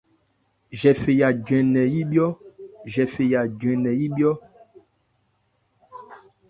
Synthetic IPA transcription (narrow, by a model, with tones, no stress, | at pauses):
ʒɛ˨fe˨ja˨ɟɛ̃˨nɛ˨ji˦bjɔ˦ʒɛ˨fe˨ja˨ɟɥɛ̃˨nɛ˨ji˦bjɔ˦